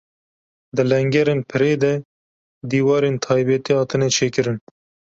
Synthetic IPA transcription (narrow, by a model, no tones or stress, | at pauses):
d̪ɨlɛŋɡɛɾeːnpʰɨɾeːd̪ɛ | d̪iːwɑːɾeːnt̪ʰɑːjbɛt̪eːhɑːt̪ɨnɛt͡ʃʰeːkɨɾɨn